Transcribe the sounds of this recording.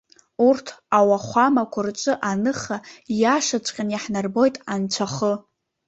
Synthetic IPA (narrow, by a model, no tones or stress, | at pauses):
urtʰawaχʷamakʷʰʊrt͡ʃʷʼɨʔanɨχajaʂat͡ʃʷʰʼqʲʼanjaħnarbo̞jtʼant͡ʃʷʰaχə